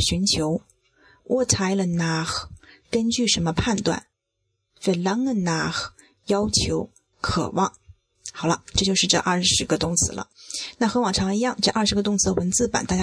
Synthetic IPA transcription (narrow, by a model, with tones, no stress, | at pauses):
ɕy˧˥nt͡ɕʰjo˧˥ʊ | wʔɔ˥˩t͡sʰa˧˥ɪlə˨na˧˥xkə˥nt͡ɕy˥˩ʂə˧˥nmə˧pʰa˥˧nt̪wa̰˥˩n | fe˧˩lɑ˧˥ŋlə˧na˧˥x | jɑ˥ʊt͡ɕʰjo˧˥ʊ | kʰɤ̰˨˩wɑ˥˩ŋ | xɑ˨˩ʊlə̰˦ʈ͡ʂɤ˥˧t͡ɕjʂɻ̩˥˧ʈ͡ʂɤ̰˥˧ʔɐ˞˥˩ʂɻ̩˧˥ɡə˧t̪ʊ˥ŋt͡sʰɹ̩˧˥lə̰˧˦na˥˩xɤ˧˥wɑ˨˩ŋʈ͡ʂʰɑ˧˥ŋi˧˥jɑ˥˧ŋʈ͡ʂɤ˥˧ʔɐ˞˥˩ʂɻ̩˧˥ɡə˧t̪ʊ˥˧ŋt͡sʰɹ̩˧˥ə˧wə˧˥nt͡sɹ̩˥˩pə̰˨˩nt̪a˥˩ja˥